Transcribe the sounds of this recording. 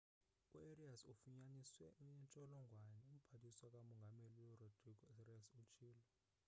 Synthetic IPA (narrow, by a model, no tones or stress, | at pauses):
kʼṵeriasufuɲaniswɛuɲɛnt͡ʃʼɔlɔŋɡʱwanɛum̩pʰatʰiswakʼamɔŋɡʱameliwɛrɔd̥ʱriɡɔrɛsut͡ʃʰiːlɔ